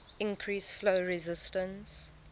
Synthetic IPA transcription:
ɪ̃nkʰɹisfloʊɹɛzɪstə̃ns

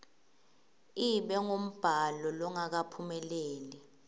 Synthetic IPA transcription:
iɓɛŋom̩b̥ʱalɔlɔŋak̬apʰumɛleːli

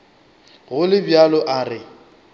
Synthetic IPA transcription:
ɣʊlɪbjalɔʔarɪ

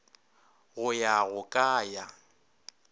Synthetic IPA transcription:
ɣʊjaɣʊkʼaːja

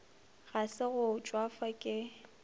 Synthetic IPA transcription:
ɣasɪɣʊt͡ʃʼwafakʼɪ

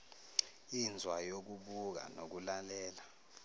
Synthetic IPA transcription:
ind͡zʱwajok̬uɓuk̬a̰nok̬ulalɛːla

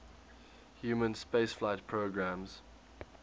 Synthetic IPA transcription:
hjuːmə̃nspeɪsflaɪtpʰɹoɡɹãmz̥

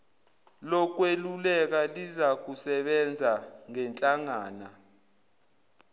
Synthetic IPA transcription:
lɔk̬welulɛk̬alizak̬usɛɓɛnd͡zʱaŋɛnt͡ɬʼaŋaːna

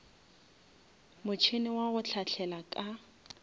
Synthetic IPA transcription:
mʊt͡ʃʰenɪwaɣʊt͡ɬʰaɬʰɛlakʼa

